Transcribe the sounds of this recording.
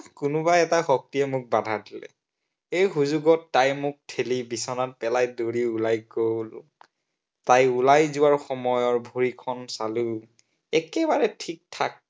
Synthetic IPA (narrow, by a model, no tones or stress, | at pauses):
kʊnʊbaɛtaxɔk̚tiɛmʊk̚badʱadilɛ̰ | ejxuzuɡɔtːajmʊk̚tʰelibisɔnat̚pɛlajdoɹiulajɡowl | tajulajzʊwaɹxɔmɔjɔɹbʱoɹikʰɔnsalu | ɛkɛbaɹɛtʰik̚tʰa̰k̚